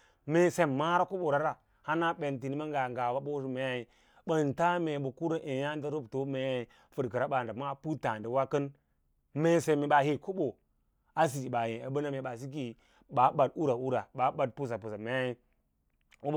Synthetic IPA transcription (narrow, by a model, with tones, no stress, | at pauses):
me˨se˨mma˦ɾa˦ku˦ɓo˨ɾa˦ɾa˨ | ha˦na˦ɓe˨nti˨ni˦ma˦ŋɡa˨ŋɡa˨ba˦ɓo˦ʃi˦me˦ja˦i˨ | ɓə˨n˨ta˦me˨ɓu˨ku˦ɾə˦ʔe˨ja˦n˦di˦ɾu˦bto˦me˨˦j | fɨ˦˨dkə˨ɾa˦ɓa˨nda˨ma˦pu˦ta˨ndi˨wa˦kə˦n | me˨se˨me˨ɓa˨hi˦ku˦bo˨ | a˦s̬i˨i˨ɓa˨je˨a˨bə˦na˦me˨ɓa˨s̬i˦k̬i˨ | ɓa˨ɓa˨du˦ɾa˨u˦ɾa˨ɓa˨ɓa˨d̚pu˦s̬a˨pu˨sa˨me˦ja˦ji˦ | u˦˨